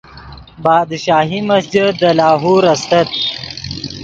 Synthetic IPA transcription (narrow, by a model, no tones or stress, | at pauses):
bɑːd̪ʃaːɦimɐsd͡ʒid̪əlaːɦuːɾɐst̪ɐt̪̚